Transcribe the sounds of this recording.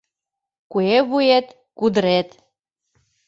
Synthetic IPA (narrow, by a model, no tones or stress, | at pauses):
kueβuet̪ | kud̪əɾet̪